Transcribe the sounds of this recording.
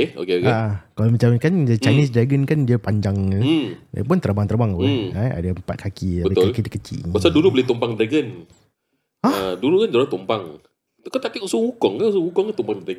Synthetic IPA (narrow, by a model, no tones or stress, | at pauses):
keo̰keokakalomət͡ʃamkand͡ʒat͡ʃanɪs̬dɾaɡənkandiəpaɲd͡ʒaŋ | jə̰p̬ʊnt̪əɾbaŋt̪əɾbaŋpʊnaa̰daəmpat̪̚kʰakiabəbaʊkalkidikət͡ʃḭbasaduluboleht̪ɔmpaŋd̪ɾaɡən | aadulukand͡ʒalat̪umpaŋ | kat̪aʔt̪ikʔsuhukɔŋkas̬uhukɔŋkant̪ɔmpaŋd̪aɡ